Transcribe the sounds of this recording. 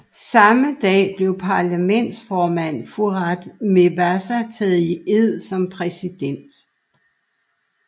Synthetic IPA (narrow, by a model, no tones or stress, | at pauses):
sɑ̈məd̥ɛ̰ːb̥le̝ʊpʰɑ̈læmen̰d̥sfɒːmæn̰fuʁɑd̥me̝ʋæsæt͡sʰɛːð̩ˠie̝ð̰ˠsɒ̽mpʰʁɛsid̥en̰d̥